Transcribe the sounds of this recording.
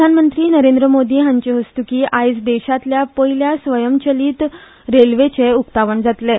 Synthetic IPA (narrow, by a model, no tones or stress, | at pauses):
anmənt̪ɾiːnəɾend̪ɾəmod̪iːɦãɲt͡ɕeɦəst̪ukiːʔajsd̪ɛɕat̪ljapəɦiljasʋəjəmt͡ɕəliːt̪ | ɾelʋet͡seuk̚t̪aʋəɳd͡zat̪le